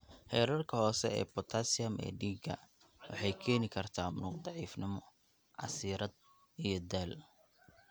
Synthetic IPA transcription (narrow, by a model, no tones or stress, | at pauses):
hɛːɾɐrkʰɐhɔːsɛɛ̰ːbɔt̪ʰasɪɐmɛ̰ːɖiːɡɐ̰ | wɑ̰ħɑjkʰɛːnɪkʰɐrt̪ʰaːmnuːqd̪ɑʕiːfnɪmɔ | ʕɑ̰siːɾɐd̪̚ | ijɞd̪aːl